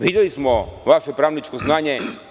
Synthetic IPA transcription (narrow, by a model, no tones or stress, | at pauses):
ʋidjelismoʋaʃepɾaːʋnit͡ʃkoznaːɲe